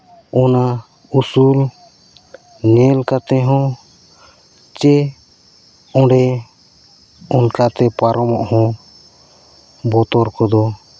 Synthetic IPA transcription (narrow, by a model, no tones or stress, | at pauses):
ɔna | usul | nɛlkat̪ɛɦɔ̃ | t͡ʃɛ | ɔ̃ɖɛ | unkat̪ɛpaɾɔmɔʔhɔ̃ | bɔt̪ɔɾkɔd̪ɔ